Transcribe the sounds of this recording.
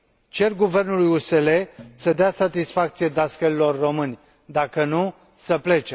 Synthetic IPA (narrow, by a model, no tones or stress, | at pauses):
t͡ʃe̞rɡuve̞rnulujuse̞le̞səd̪easat̪isfak̚t̪sijed̪askəɾilo̞rːo̞mɨnʲ | d̪akənu | səple̞t͡ʃe